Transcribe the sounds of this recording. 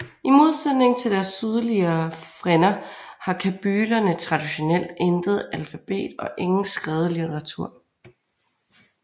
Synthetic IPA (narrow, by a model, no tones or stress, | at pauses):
imo̝ð̞ˠsed̥ne̝ŋt͡sʰe̝ld̥æɐsːyð̞ˠɐliɐfʁenɐhɑ̈kʰæb̥yːlɐnət͡sʰʁɑ̈d̥iɕo̝nel̰d̥end̥ð̩ˠælfæb̥e̝̰ːd̥ɒ̽ʔe̝ŋn̩sɡ̥ʁɛːð̞ˠəlit͡sʰeʁɑ̈t͡sʰuɐ̰